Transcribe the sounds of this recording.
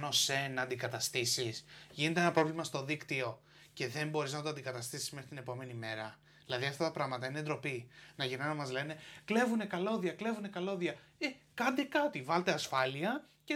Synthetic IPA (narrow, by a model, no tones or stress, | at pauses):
o̞se̞nɐːnd̪ikɐt̪ɐst̪isisʝine̞t̪e̞enɐpɾo̞vlimɐst̪o̞ðikt̪io̞ | ce̞ðe̞mbo̞ɾiznɐt̪oɐnd̪ikɐt̪ɐst̪isi̥zmexɾit̪ine̞po̞me̞nime̞ɾɐ | ðilɐðiɐft̪ɐt̪ɐpɾɐɣmɐt̪ɐined̪ɾo̞pinɐʝinɐnɐmɐzle̞ne̞kle̞vune̞kɐlo̞ðjɐkle̞vune̞kɐlo̞ðjɐekɐnd̪e̞kɐt̪ivɐlt̪eɐsfɐliɐce